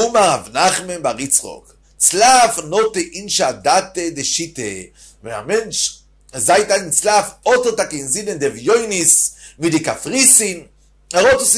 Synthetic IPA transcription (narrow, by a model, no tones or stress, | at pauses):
umaʁavnaχmenbaʁit͡sχɔ̰k | t͡slafnɔteʔinʃadatediʃite | vɛna̰mɛnt͡ʃ | zaɪtalint͡slafɔtətakenzidɛndɛvjoɪnismidikafʁisim | ɛʁɔts